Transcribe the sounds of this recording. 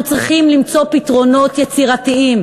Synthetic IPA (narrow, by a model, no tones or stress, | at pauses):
t͡sʁiχimlimt͡so̞pitʁo̞no̞t̪jet͡siʁatiim